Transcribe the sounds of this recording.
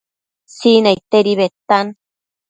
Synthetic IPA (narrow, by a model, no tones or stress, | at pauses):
sinajt̪eɾiβet̪an